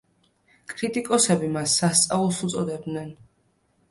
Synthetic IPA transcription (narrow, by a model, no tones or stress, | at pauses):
kʼɾit̪ʼikʼɔsɛbimasːast̪sʼaulˠsut̪sʼɔd̪ɛb̚d̪nɛn